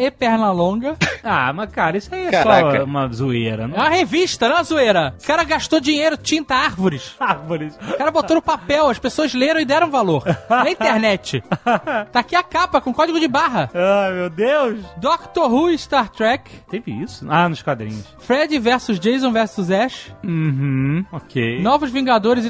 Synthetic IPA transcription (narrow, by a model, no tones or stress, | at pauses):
epɛɾnɐlõɡɐa̰mɐkaɾɐisʊaiɛsɔũmɐzueɾɐ̰̃ɛ̃mɐheviʃt̪ɐnɐ̃ɐzueɾɐkaɾɐɡaʃt̪od͡ʒiɲejɾʊt͡ʃĩnt̪ɐaɾvʊɾɪʃaɾvʊɾɪskaɾɐbot̪onʊpapɛwɐʃpesoɐzleɾɐ̃w̃ɪd̪ɛɾɐ̃w̃valoɾɐĩt̪eɾnɛt͡ʃɪt̪akiakapɐkõkɔd͡ʒɪɡʊd͡ʒɪbaɦɐamewd̪ewʃd̪okt̪oɦuɪst̪aɾt̪ɾɛkt̪evɪisʊanʊʃkwad̪ɾḭ̃ɲʊsfɾɛd͡ʒɪvɛɾsʊzd͡ʒejzõvɛɾsʊzɛʃ̩ɦ̩okʰḛjnɔvʊzvĩŋɡad̪oɾɪzɪ